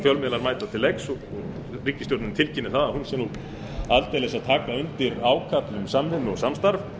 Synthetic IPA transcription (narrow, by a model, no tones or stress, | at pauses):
fjœlmɛlaɾmaːjt̪at̪ʰɪlːejksɔɔɣ | riːcːɪst̪jɔwɾt̪nʏmt̪ʰɪlcɪnːɪθaðahunsɛmnu | alt̪ejlɛsaðt̪ʰaːkaʏnt̪ɪɾaːwkʰat̪lʏmsamhɪnːɔɣsamst̪aɾf